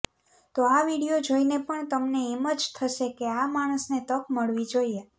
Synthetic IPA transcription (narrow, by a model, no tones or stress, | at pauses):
t̪oaʋiɽijod͡ʒoinepəɳt̪əmneːməd͡ʒt̪ʰəʃekeamaɽ̃əsnet̪əkməɭʋid͡ʒoie